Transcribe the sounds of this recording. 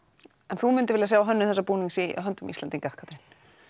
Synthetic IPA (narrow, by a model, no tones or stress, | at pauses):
ɛnθumʏnt̪ɪvɪljas̬aːwaɦœnːʏmθɛsːapuːniŋsiɦœnt̪ʏmist̪ant̪inŋkahkʰat̪ɾɪn